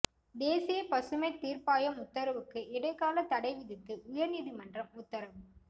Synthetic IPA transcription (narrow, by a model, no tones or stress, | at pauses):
d̪eːsɪjɐpɐsɯmɐɪt̪ːiːɾpaːjɐmʊt̪ːɐɾɐʋɯkːɯʔɪɽɐɪkːaːlɐt̪ɐɽɐɪʋɪðɪt̪ːɯʔʊjɐɾniːðimɐndrɐmʊt̪ːɐɾɐʋɯ